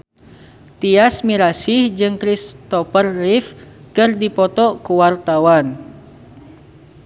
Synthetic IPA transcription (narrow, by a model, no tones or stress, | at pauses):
t̪iasmiɾasɪhd͡ʒɨŋkɾist̪ɔpərːɪf | kɨrdipɔt̪ɔkuwart̪awan